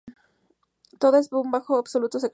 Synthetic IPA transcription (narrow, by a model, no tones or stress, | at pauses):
t̪oðoesbumbaxoabsolut̪os̬ek